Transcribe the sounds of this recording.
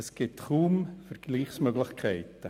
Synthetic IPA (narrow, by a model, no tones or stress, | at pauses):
əsɡ̥ɪtχuːmfəɾɡ̥liːχsmøɡlɪχkʰɛɪt̪ə